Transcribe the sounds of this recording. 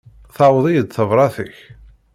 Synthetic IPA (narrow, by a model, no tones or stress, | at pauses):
θawðˤijəd̪θəvɾˤɑθəç